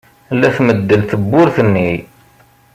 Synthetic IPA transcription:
lːæθməd̪ːəlθəbːʊɾθənːi

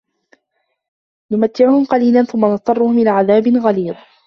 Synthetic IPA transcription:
nʊmat̪ʰːɪʕʊhʊmqɑliːlanθʊmːanɑt̪ˤːɑrˤːʊhʊmʔɪlaːʕaðaːbɪnɣaliːd̪ˤ

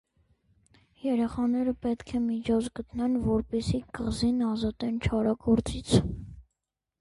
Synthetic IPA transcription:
jɛɾɛχɑnɛɾəpɛt̪kʰɛmit͡ʃʰɔt͡sɡət̪nɛnvɔɾpɛsikəʁzinɑzɑt̪ɛnt͡ʃʰɑɾɑɡɔɾt͡sit͡sʰ

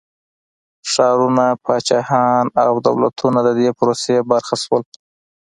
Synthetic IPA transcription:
ʂɑɾunapɑt͡ʃɑhɑnawd̪a̰wla̰t̪ʰunad̪əd̪epʊɾosebaɾxaswəl

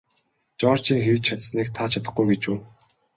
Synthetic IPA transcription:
t͡ɕɔːr̥t͡ɕiːŋxewt͡ɕt͡ɕʰat̪sniːkt̪ʰat͡ɕʰat̪ə̥̆χɡujɡet͡ɕuː

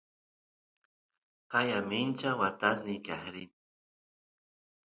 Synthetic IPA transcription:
qɑjamɪnt͡ʃawat̪asnɪkahɾɪ

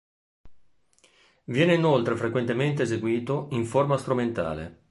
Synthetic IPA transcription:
vjɛːneinolt̪ɾefɾekwent̪ement̪eːzeɡwiːt̪oiɱformast̪ɾument̪a̰ːlḛ

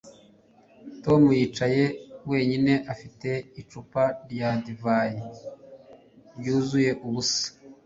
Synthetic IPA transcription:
to̞mujiːt͡ʃaje̞we̞ːɲine̞ʔafite̞it͡ʃupaɾjadivaji | bjuːzuje̞ʔuβusḁ

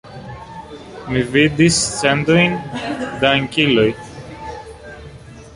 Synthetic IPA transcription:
mivid̪ist͡send̪ojnd̪ɐŋciloj

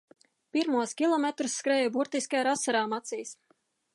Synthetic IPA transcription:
piɾmuɔskʲilˠɔmet̪ɾusːkɾɛːjubuɾt̪iskaɾasːaɾaːmat̪siːs

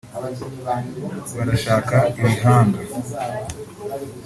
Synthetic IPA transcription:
βaɾaʃaːkaiβiɦaːnde

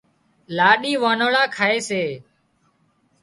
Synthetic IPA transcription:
laːɗiːʋaːnoːɭaːkʰaːeːseː

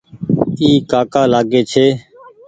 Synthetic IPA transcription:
iːkaːkaːlaːɡeːt͡ʃʰeː

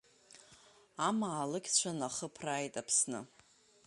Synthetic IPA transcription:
amaːlɨkʲʰʼt͡ɕʷʰanaχəpʰraːjtʼapʰsnɨ̰

